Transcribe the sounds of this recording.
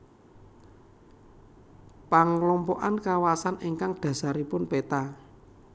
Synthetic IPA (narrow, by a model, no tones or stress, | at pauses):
paŋlɔmpɔʔankawasaneŋkaŋɖ̪̥ä̤saɾipʊnpet̪a